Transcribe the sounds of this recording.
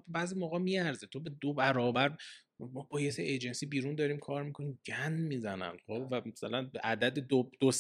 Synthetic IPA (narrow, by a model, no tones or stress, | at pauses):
bebæːzimoːɣɛːmiæɾzet̪ʰo̞bed̪obæɾɒːbæɾ | mɒbɒːjeseʔed͡ʒensiːbiːɾund̪ɒːɾiːmkʰɒːɾmikʰoniːmɟænmiːzænæ̰nχovæmasælænbeʔæd̪æd̪ed̪od̪̥os